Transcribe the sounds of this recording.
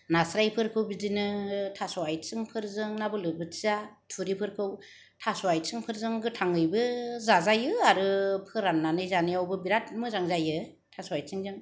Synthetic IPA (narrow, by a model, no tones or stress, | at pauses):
nasɾajpʰɯɾkʰɯwbidinɯtʰasɔajtsɯŋpʰɯɾzɯŋnabɯlɯbɯatʰuɾipʰɯɾkʰɯw | tʰasɔajsɯŋpʰɯɾzɯŋɡɯtʰaŋɯjbɯzazajɯaɾɯpʰɯɾanːanɯjzanijawbɯbiɾat̚mɯzaŋzajɯ | tʰasɔajsʰɯŋzɯŋ